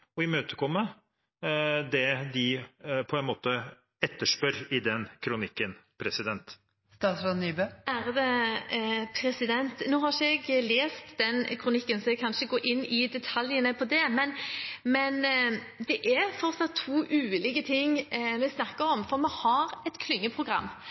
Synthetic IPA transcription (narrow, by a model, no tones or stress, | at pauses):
ɔɪmøːt̪ə̥kʰɔmːə | d̪ɛd̪ɪpʰɔɛnmoːt̪ə | ɛt̪ːəʂpœɾɪd̪ɛnkʰɾʊnɪkːənpʰɾɛsɪd̪ɛnt̪ | st̪ɑːsʋɑnyːbøʔæɾd̪ɛ | pʰɾɛsɪd̪ɛnt̪nuːhɑʂəɛɡleːst̪d̪ɛnkʰɾʊnɪkːənsɔɛkʰɑnʂəɡoːʔɪnːɪd̪ɛt̪ʰɑljənəpʰɔd̪ɛmɛnmɛn | d̪ɛʔæɾfɔɾsɑt̪ʰːuːʔʉːlɪkət̪ʰɪŋmɛsnɑkːəɾɔmfɔɾmɛhɑɾɛt̪kʰlʏŋːəpʰʁʊɡʁɑ̰mː